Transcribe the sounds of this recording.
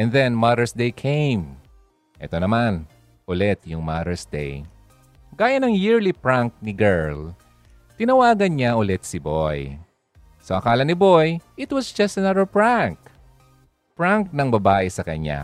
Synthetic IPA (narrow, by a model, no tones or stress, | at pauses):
ʔɛ̃nðɛ̃nmad̪ɛɹsd̪ejkʰẽjm | ʔɛ̰t̪onɐman | ʔʊlɛt̪̚jʊŋmad̪ɛɹsd̪ḛj | ɡ̥aːjɐnɐŋjɪɹlipɹaŋk̚nɪɡɛɹl | t̪ɪnɐwaːɡɐnɲaʔʊlɛt̪̚sɪboj | soʔɐkaːlɐnɪbo̞jʔɪt̪wɐsd͡ʒɐst̪ɐnɐðəɹpɹaŋk | pɹaŋk̚nɐŋbɐbaːʔɛsɐkɐ̰ɲa̰